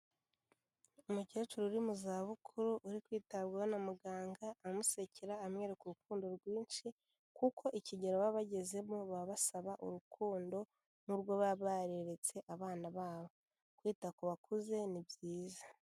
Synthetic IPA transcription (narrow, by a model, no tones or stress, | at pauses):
umuce̞ːt͡ʃuɾouɾimuzaːβukʰuɾuʔuɾikwiːtabɡawonamuɡaːŋɡaːmuse̞cʰiɾaːmŋe̞ːɾekuɾukuːndo̞ɾɡwiːnʃi | kukʰo̞ʔiciɟeɾoβaβaɟe̞ze̞muβaβasaβaʔṵɾukʰuːndo̞ | nuɾɡwo̞βaβaɾeɾe̞t͡se̞ʔaβaːnaβaːβo̞ | kwiːtakoβakuze̞nibjiːza